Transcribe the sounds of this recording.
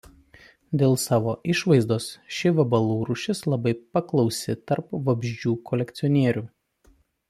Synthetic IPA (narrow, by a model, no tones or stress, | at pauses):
d̪ʲeːlˠsɑːʋoːʔɪʃʋɐɪzd̪oːsʃʲɪʋɐbɐlˠuːɾʊʃʲɪslˠɐbɐɪpɐklˠɒʊsʲɪt̪ɐɾpʋɐbʲʒʲd͡ʒʲuːkʰɔlʲɛkt̪sʲɔnʲiɛɾʲuː